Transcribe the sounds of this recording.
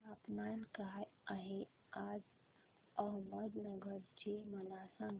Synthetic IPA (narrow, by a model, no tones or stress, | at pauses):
apnankəɦaaɦe | ad͡ʒ | əɦməd̪nəɡəɾd͡ʒemənasə̃ŋɡ